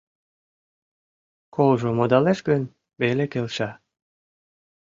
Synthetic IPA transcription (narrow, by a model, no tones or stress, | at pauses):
kʰolʒomod̪ɑleʃɡən | belekelʃɑ